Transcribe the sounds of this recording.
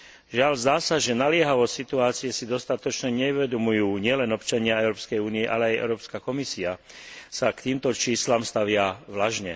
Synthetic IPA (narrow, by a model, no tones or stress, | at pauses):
ʒɪaʎzd̪aːsaʒɛnalɪɛɦaʋɔtsit̪uaːt͡sijɛsid̪ɔst̪at̪ɔt͡ʃɲɛɲɛuʋɛd̪ɔmujuːɲɪɛlɛnɔpt͡ʃaɲɪaɛʊɾɔːpskɛjuːniɛʔa̰lɛajʔɛ̰ʊɾɔːpskakɔmisiasakt̪iːmt̪ɔt͡ʃiːslamst̪aʋɪaʋlaʒɲɛ̰